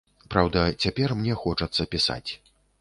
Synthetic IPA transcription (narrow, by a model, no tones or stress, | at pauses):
pɾawd̪ɐt͡sʲapʲɛrmnʲɛxɔt͡ʂɐt̪sːɐpʲisa̰t͡sʲ